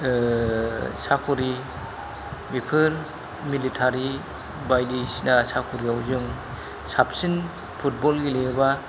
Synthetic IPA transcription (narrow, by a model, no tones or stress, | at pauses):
sakʰuɾi | mipʰɯɾ | militʰaɾi | bajdisnasakʰuɾiawzɯŋ | sapsin | pʰut̚bɔlɡileba